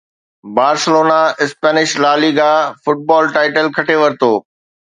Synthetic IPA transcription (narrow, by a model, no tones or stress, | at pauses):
baːɾsɪloːnaɪspɛːnɪʃlaːliːɡafʊʈ̚bɔːlʈaːɪʈəlkʰɐʈʰeʋɐɾɪt̪oː